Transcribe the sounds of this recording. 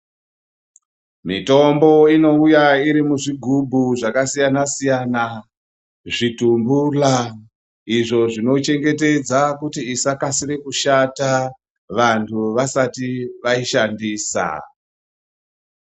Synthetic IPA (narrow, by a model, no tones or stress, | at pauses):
mḭto̞mbo̞ino̞ujaiɾimuʐiɡʱubʱuʐakasijanasijana | ʐitumbula | iʐo̞ʐino̞t͡ʃe̞ŋɡe̞t̬e̞d͡zakutiːsakasirekuʃata | ʋantʰuʋasatiʋaiʃandiːsa̰